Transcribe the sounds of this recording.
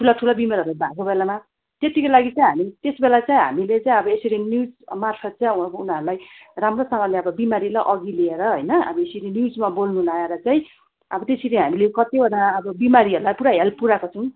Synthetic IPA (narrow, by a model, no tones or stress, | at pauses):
ʈʰulaʈʰulabimelʌɾabʱakobelama | t̪et̪ikolaɡit͡saĩɦamit̪esbelat͡saĩɦa̰milet͡saj̃ʌbʌesiɾinjud͡zmarpʰʌt̪̚t͡saj̃uunaɾulajramrosʌŋʌleʌbʌbimaɾilaʔʌɡilieɾʌɦojnʌʌ̰bʌesiɾinjud͡zmabolnunaeɾʌt͡saĩ | ʌbʌt̪esiɾiɦamilekʌt̪ibʱʌɽaʌbʌbimaɾiɦʌɾulajpuɾaɦelpuɾakot͡sʰʌw̃